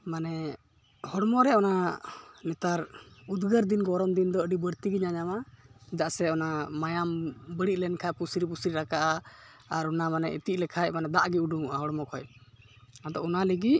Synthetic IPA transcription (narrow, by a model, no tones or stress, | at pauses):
manɛ | hɔɽmɔɾɛɔnanɛt̪aɾud̪ɡəɾd̪inɡɔɾɔmd̪ind̪ɔəɖibəɾt̪iɡiɲaɲamad̪aʔsɛɔnamajambəɽiʔ̚lɛnkʰajpusɾip̬usɾiɾakaʔa | aɾɔnamanɛ̰ḭt̪iʔ̚lɛkʰajmanɛd̪aʔɡiuɖuŋuʔaɦɔɽmɔkʰɔj | ad̪ɔɔnaləɡiʔ